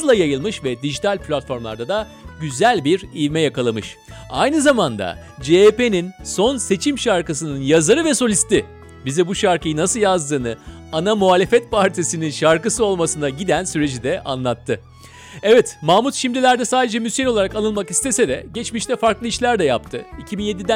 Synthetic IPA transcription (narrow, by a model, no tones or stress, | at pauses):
lˠajajɯlˠmɯʃvɛd̪iʒit̪ʰalʲpʰlʲat̪fo̞ɾmlˠa̰ɾd̪ad̪a | ɟyzælʲbiɾivmɛjakalˠamɯʃ | a̰jnɯzamand̪a̰ | d͡ʒepe̞ninso̞nse̞t͡ʃʰimʃaɾkɯs̬ɯnɯnjazaɾɯvɛso̞lʲist̪i | bizɛbuʃaɾkɯjɯnasɯlˠjazd̪ɯːnɯ | anamuaːlʲe̞fɛt̪̚pʰaɾt̪ʰisininʃaɾkɯsɯo̞lˠmasɯnaɟid̪ænsyɾe̞d͡ʒid̪ɛʔa̰nlˠat̪ʰːɯ | ɛvɛt̪maːmut̪ʃimd̪ilʲæɾd̪ɛsaːd̪e̞d͡ʒɛmysjenolˠaɾakalˠɯnmakist̪ʰe̞sɛd̪ɛɟɛt͡ʃmiʃt̪ɛfaɾklˠɯiʃlʲæɾd̪ɛjap̚t̪ʰɯicʰibinje̞d̪id̪æ